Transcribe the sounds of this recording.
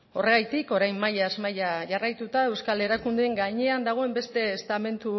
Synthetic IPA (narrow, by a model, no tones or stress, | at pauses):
o̞re̞ɣ̞ajt̪iko̞ɾajmːajazmajaʝarajt̪ut̪ae̞wskale̞ɾakund̪eeŋɡaɲe̞and̪aɣ̞o̞e̞mbe̞st̪e̞ːst̪ame̞nt̪u